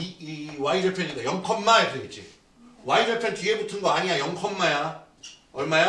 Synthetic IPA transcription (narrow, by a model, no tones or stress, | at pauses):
iwaid͡ʑʌɭpʰeniɡajʌŋkʰʌmːaeteɡet̚t͡ɕ͈ḭ | waid͡ʑʌɭpʰent͡ɕiebutʰɯnɡʌaɲiɲajʌŋkʰʌmːaja | ʌɭmaja